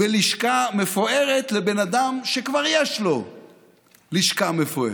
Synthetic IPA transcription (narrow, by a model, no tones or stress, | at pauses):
beliʃkamefoeʁet̪lebenad̪amʃekvaʁjeʃlo̞ | liʃkamefoḛ